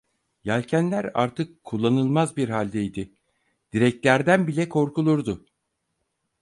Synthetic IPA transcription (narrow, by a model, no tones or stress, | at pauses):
jalʲcʰænlʲæɾa̰ɾt̪ʰɯkʰːulˠːanɯlˠmazbiɾɦalʲd̪ɛjd̪ɪ | d̪̥iɾɛc̚t̪lʲæɾd̪ænbilʲɛkʰo̞ɾkulˠuɾd̪ʊ